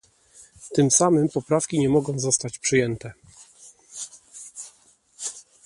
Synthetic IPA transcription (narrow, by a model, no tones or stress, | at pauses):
t̪ɘmsamɘmpɔpɾafkʲiɲɛmɔɡɔ̃w̃zɔst̪at͡ɕpʂɘjɛnt̪ɛ